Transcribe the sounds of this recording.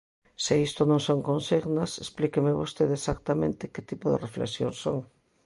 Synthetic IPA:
sɪist̪onõŋsoŋkõnsiɣnɐsesplikemɪβost̪eðesak̚t̪amẽnt̪ɪkɪt̪ipʊðḛreflḛksjo̰ŋsoŋ

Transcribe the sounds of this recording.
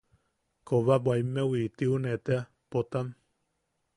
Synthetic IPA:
koβabwaimːewit̪iunet̪ea | pot̪am

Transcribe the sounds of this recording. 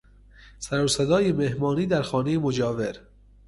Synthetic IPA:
sæɾosed̪ɒːjemehmɒːniːd̪æɾxɒːnejemod͡ʒɒːveɾ

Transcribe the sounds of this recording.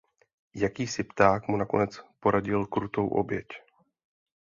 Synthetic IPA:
jakiːsɪpt̪aːkmunako̞̰nɛt͡spo̞ɾaɟɪlkɾut̪o̞wʔo̞̰bjɛc

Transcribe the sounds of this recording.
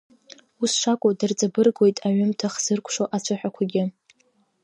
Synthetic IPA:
usʂakʷʼʊdɨrt͡sʼabɨrɡwo̞jtʼaɥʏmtʰaχz̥ɨrkʷʰʼʂoʔat͡ɕʷʰɨħᶣakʷʰaɡʲɪ

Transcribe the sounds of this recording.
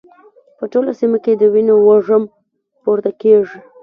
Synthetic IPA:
pəʈolasimaked̪əwinowaʐəm | poɾd̪akeʐi

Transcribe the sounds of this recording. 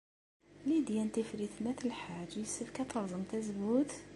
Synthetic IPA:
lid̪jænt̪əfɾit̪næt̪əlħad͡ʒsəfkæt̪ɑɾzˤəmt̪æzbut̪

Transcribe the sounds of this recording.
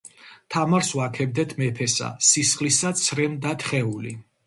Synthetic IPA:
t̪ʰamaɾswakʰɛb̚d̪ɛt̪ʰmɛpʰɛsa̰sisχʼlisat̪sʰɾɛmd̪at̪ʰχɛuli

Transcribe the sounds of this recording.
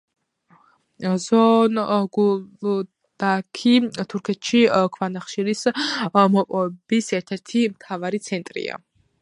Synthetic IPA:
zɔnɡu | d̪̥akʰit̪ʰuɾkʰɛt̪ʰʃikʰvanaχʃiɾismɔpʼɔɛbisɛɾt̪ʰɛɾt̪ʰimt̪ʰavaɾit̪sʰɛnt̪ʼɾḭa̰

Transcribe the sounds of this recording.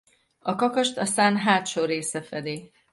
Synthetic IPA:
ɒkɒkɒʃt̪ɒsaːnɦaːt̪ʃoːreːsɛfɛd̪eː

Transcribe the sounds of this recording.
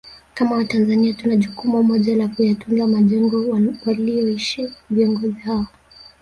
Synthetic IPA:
kamawatanzaniatunaʄukumumɔʄalakujatunɡamaʄɛŋɡɔwaliɔiʃiviɔŋɡɔzihaɔ

